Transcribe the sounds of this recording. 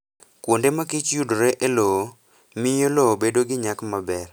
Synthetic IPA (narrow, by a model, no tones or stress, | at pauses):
kwondemakɪt͡ʃjudoɾeʔelo | mɪjolobedoɡɪɲakmabɛr